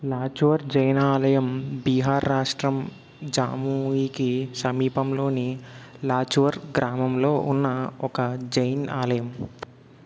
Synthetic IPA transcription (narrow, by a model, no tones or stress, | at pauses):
laːt͡ʃuʋɐɾd͡ʒɐjnaːlɐjɐmbiːɦaːɾːaːʂʈɾɐm | d͡ʒaːmuiːkisɐmiːpɐmlo̞ːnilaːt͡ʃuʋɐɾɡɾaːmɐmloːʔunːɐɔkɐd͡ʒɐjnaːlɐjɐm